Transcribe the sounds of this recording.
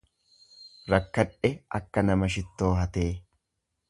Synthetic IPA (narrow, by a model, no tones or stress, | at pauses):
ɾɐkːɐᶑɛɐkːɐnɐmɐʃ̬ɪt̪ːo̞ːɦɐt̪e̞ː